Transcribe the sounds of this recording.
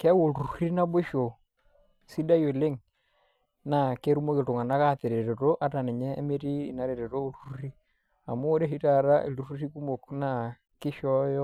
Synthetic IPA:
kɛ˦wo˨lu˨u˨ɾi˦na˦bo˦ʃo˨ | si˦da˦jo˨le˦ŋ | na˨ke˦ɾu˦mo˦kɪ˨tʊ˨ŋa˨na˦ka˦˨te˨ɾe˨ɾo˨to˦ʔa˨ta˨nɛ˨ɲɛ̰ː˦me˦tiː˦˨na˦ɾe˨ɾe˨to˦o˦lu˨˦u˦ri˦ | a̰˨mo˦ɾe˦ɦi˦ta˨˦ɾa˦ʔḛ˨lu˦ɾu˦ri˦ku˦mo˨kna˦˨ | kɪ˦ʃɔ˦jɔ˦

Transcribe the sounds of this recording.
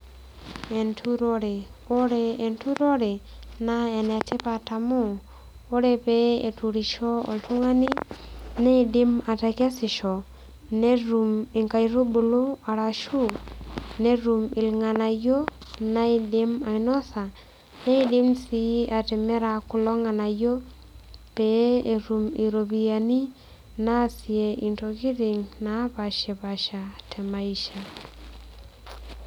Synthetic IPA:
e˨ntʰu˦ɾo˦ɾe˨o˦ɾeː˨ntu˦ɾo˦ɾe˨ | na˦e˨ne˨te˦pa˨ta˨mo˦˨ | o˦ɾe˨pe˦ḛ˨tu˨ɾi˨ʃo˦o̰˨ltu˦ŋa˦ni˦ne˦i˨di˦ma˨ta˨ke˦si˨ʃo˨ | ne˦ɾu˨mi˨ŋka˨jɾo˦bo˨lo˦a˨ɾa˨ʃu˦ne˦ɾu˨mɪ˨lŋa˨na˨jo˦na˦i˨dɪ˦ma˨i˨nɔ˦sa˨ | nɛ˦i˦dɪ˦msi˦a˨tɛ˨mɛ˦ɾa˨kʊ˨lɔ˦ŋa˨na˨jo˦ | pɛ˨˦e˨ɾu˨mi˨ɾo˨bi˨a˨ni˦ | na˦˨si˨e˨i˨nto˨ɡi˦ɾɪ˨ŋna˨˦pa˨ʃɛ˨ba˨ʃa˨tʰɛ˨ma˨i˨ʃa˨

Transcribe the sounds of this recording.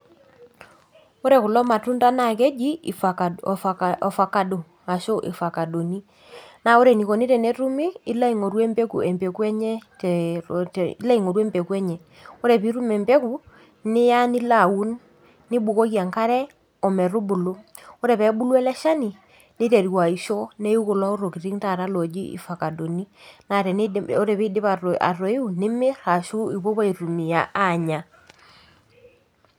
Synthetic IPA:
o˦ɾɛ˨ku˨lɔ˦ma˨tu˦nta˦na˨k̬ɛ˦d͡ʒi˦˨fa˨a˨ | ɔ˨fa˨ka˨do˨ | a˨ʃo˦ʔɪ̰˨fa˨ka˨do˨ni˦ | na˦˨o˦ɾe˨ni˨ko˨ni˦tɛ˨nɛ˦tu˦mi˦i˦la˦i˨ŋo˨ɾwɛ˦mbɛ˦kṵ˨ʔɛ˨mbɛ˨kwɛ˦ɲɛ˦tti˦la˦i˨ŋo˨ɾwɛ˦mbɛ˨kɛ˦ɲɛ˨ | o˦ɾɛ˨pi˦ɾu˦mɛ˨mbɛ˦ku˨ | nɪ˦ja˦ni˦la˨wu˦nː | ɪ˦ɓu˨ko˦kja˨ŋka˦ɾɛ˦ | ɔ˨mɛ˨ru˦bu˨lo˦ɔ˦ɾɛ˨pɛ˨˦ɓu˦lwɛ˦lɛ˦ʃa˦ni˨ | nɪ˦tɛ˨ɾi˨wa˨i˨ʃɔ˦nɛ˦ju˦kʊ˨la˦ɔ˦ɾo˨ki˨ɾi˦ŋta˨ɾa˦lɔ˨d͡ʒi˦ḭ˨fa˨ka˨do˨ni˦na˨ɾɛ˨n˦ɔ˦ɾɛ˨pi˦dɪ˦pa˨a̰˨rɔ˨i˦u˨nɪ˦mɪ˦ɾa˨ʃu˦i˨βo˦pa˦i˨ɾu˨mi˨ja˨ʔa˦˨ɲa˨

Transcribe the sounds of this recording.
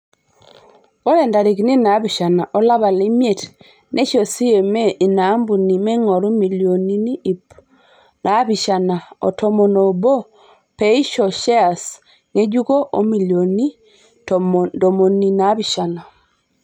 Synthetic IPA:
ɔ˦ɾɛ˨nda˨ɾe˨ki˨ni˦na˨˦βi˨ʃa˨na˨ʔɔ˦la˦βa˨li˦mi˦e˨t | nʔe˦ʃɔ˨si˦je˨mɛ˦ʔi˨na˨˦mbu˨ni˨mɛ˦ŋɔ˨ɾu˦mi˨lio˨ni˦ni˦˨ | na˨˦βi˨ʃa˨na˨ɔ̰˨tʰɔ˦mo˨no˨bɔ˦ | pɛ˦i˦ʃɔ˨ʃɛ˦a˨s | ŋe˦ɟu˦kɔ˦ʔo˦mi˨ljo˨ni˦ | dɔ˨mo˨ni˨na˨˦βi˨ʃa˨na˨

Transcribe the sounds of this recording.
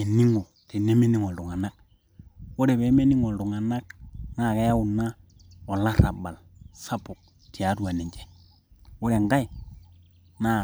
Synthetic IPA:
ɛ˨ni˦ŋo˨ | ti˨ne˦me˦ni˦ŋɔ˨ldʊ˨ŋa˨na˦k̚ | wo˦ɾɛ˨bɛ˨˦me˦ni˦ŋɔ˨ldʊ˨ŋa˨na˦k̚na˦˨ka˦ja˦ʊ˨na˦ | ɔ˨la˦ɾa˨ba˨l | sa˦pʊ˨k̚ | tɪ˨a˨˦tu˨a˨nɛ˨d͡ʒɛ̥˨ | wo˦ɾɛ˨ŋɡa˦i˨ | na˦

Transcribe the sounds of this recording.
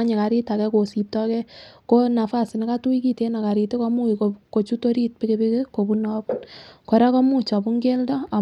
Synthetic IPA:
a˦ɲe˨ka˨ɾi˦ta˨kɛ˦ko˨si˨p̚tɔ˦kɛ˦ko˦na˨fa˦sɪ˨ne˨ka˦tu˦i˦ki˦te˦na˨ka˨ɾite˦kɔ˦mu˦˨koko˨t͡ʃu˦to˦ɾi˦t̚pe˦ke˧be˦ke˦ko˨bu˦nɔ˦pu˦nkɔ˨ɾa˦kɔ˦mu˦t͡ʃa˨bu˦ŋɡe˦ldɔ˦a˨

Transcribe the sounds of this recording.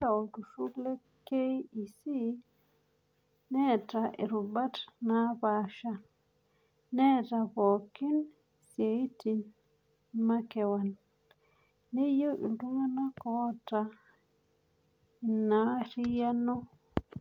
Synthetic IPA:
a˨u˨du˨ʃu˦kle˦ | ke˦ji˨si˦ | nɛ˦ta˨ʔi˨ɾu˨ba˦tna˦baʃa˨ | nɛ˦ta˨bo˨ki˦n | se˨i˦ti˨n | ma˦kɛ˨wa˨n | e˦jo˦ʔḭ˨ndu˦ma˦na˦kɔ˦ta˨ | i˨nːa˦ɾi˦ja˦nɔ˦

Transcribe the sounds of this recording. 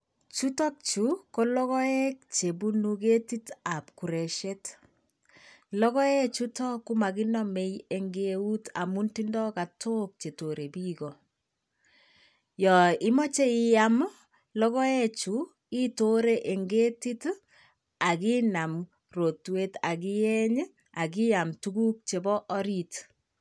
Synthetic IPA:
t͡ʃu˦tɔ˦k̚t͡ʃu˦ko˦lɔ˦ɣɔ˦ɛ˦k̚t͡ʃe˨bu˦nuke˦ti˦ta˨p̚ku˨ɾɛ˨ʃɛ˦t | lɔ˦kɔ˦ɛ˦t͡ʃu˦tɔ˦ku˦ma˨ɡi˦nɔ˦me˨je˨ŋɡeu˦ta̰˨mu˦nti˦ndɔ˦ka˨tʰo˦k̚t͡ʃe˨to˨ɾe˨bi˦ɡɔ˨ | jɔ˨i˦mɔ˦t͡ʃe˦ijam | lɔ˦ɣɔ˦e˦t͡ʃu | i˦to˦ɾe˦ʔe˨ŋɡe˦ti˦t | a˨ki˦na˨m | ro˨twe˦ta˨ki˦jɛ˦ɲ˦ | a˨ki˦ja˨mtu˦ɡu˦k̚t͡ʃe˨bɔ˦ʔːɾit

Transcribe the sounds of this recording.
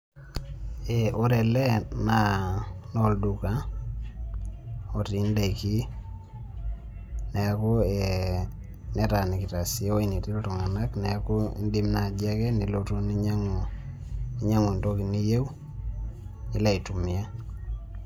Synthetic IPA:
e˨ʔo˦ɾɛ˨lɛ˦na˨nɔ˦ldu˨ka˦ | o˨ti˨˦nde˨iki˦ | nɛ˨ko˦e | nɛ˦ta˨ni˨kɪ˨ta˨si˦o˦i˦ni˨ti˦lo˦to˨ŋa˨na˦knɛ˨ko˦ḭ˦ndi˦mna˨d͡ʒɛ˦kɛ˦ni˨loto˦ni˦ɲa˦ŋ˨ | i˦ɲa˦ŋu˨nto˦ki˨ni˦je˦w | i˦lɛ˦i˨tu˨mɪ˨a˦

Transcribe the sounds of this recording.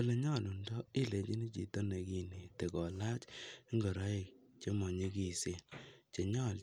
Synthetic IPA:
o˦le˨˦ɲɔ˦˨lu˨ndɔ˦i˦˨le˨t͡ʃi˦ni˦t͡ʃḭ˨to˦ne˨ki˦ni˨te˨kɔ˨la˦t͡ʃŋɡɔ˨ɾa˦e˨k | t͡ʃe˦mɔ˨ɲe˦ki˦˨se˦t͡ʃe˨ɲɔ˦˨l

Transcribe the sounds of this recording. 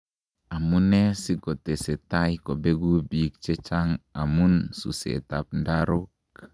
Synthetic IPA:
a˨mu˦nɛ˦si˦ko˨te˨se˨ta˦jko˨be˦ɡu˦biː˨k̚t͡ʃe˦t͡ʃa˦ŋa˨mu˦nsṵ˨sḛ˨ta˨p̚nda˦ɾo˦k

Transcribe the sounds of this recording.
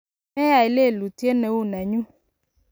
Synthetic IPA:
mɛ̃˦a˨i˨le˦˨lu˨ti˦e˦ne˨wu˦˨nɛ˨ɲũ˦

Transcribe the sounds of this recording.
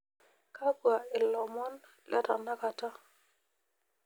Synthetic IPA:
ka˦bwa˨ɪ˨lɔ˨mɔ˦n | lʔɛ̰˦ta̰˨na˦ka˨ta˦

